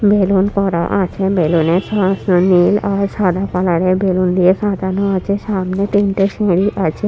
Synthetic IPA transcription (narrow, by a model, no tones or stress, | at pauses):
belonkɔɾa̰ʔat͡ɕʰebelonesɔsonilaɾʃad̪ʱapalaɾebelund̪ijeʃad̪ʱaɾnoat͡ɕʰeʃamnet̪inʈeʃẽɽiʔat͡ɕʰe